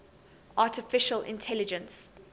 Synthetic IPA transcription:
ʔaːˑtɪfɪʃəlʔɪ̰̃ntʰɛlɪd͡ʒə̃ns

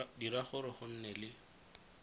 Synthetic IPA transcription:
diɾaχʊɾɪχʊn̩nɛlɪ

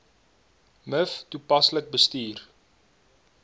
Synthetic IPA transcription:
məftupɐslək̚bəstiːr

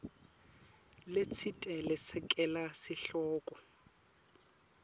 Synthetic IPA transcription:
let͡sʰitʼɛlɛsɛkʼɛlasɪɬɔːkʼɔ

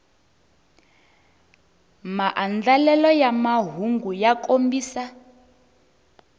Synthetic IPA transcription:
maʔand͡ɮalɛlɔjamaɦuŋɡujakʼombiːsa

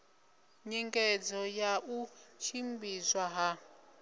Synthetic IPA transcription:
ɲɛŋkʼɛd͡zɔjaʔut͡ʃʰimbizwaɦa

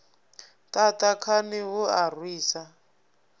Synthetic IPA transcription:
tatakʰanɪɦʊar̤wiːsa

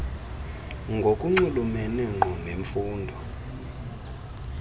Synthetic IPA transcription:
ŋɡʱokʼuŋ͡ǀulumɛnɛŋ͡ǃʱɔmʱeɱfuːndʱɔ

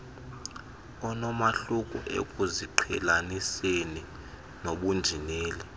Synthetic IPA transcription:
ɔnɔmaɬukʼṵʔḛkʼuziǃʰɛlaniseni | noɓund͡ʒʱineːlɛ

